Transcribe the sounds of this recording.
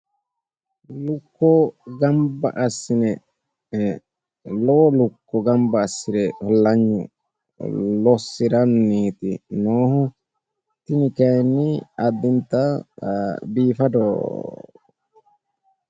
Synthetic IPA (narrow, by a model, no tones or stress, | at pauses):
lʊkːɔɡɐmbɐ̰ʔɐsːɪnɛ | loːlukːɔɡɐmbɐːsːɪɾɛhɔlːɐɲːʊ̰ | lɔsːɪɾɐnːiːt̪ɪnoːhɔ | t̪ɪnɪkɛjnːiɐd̪ːɪnt̪a | biːfɐd̪oː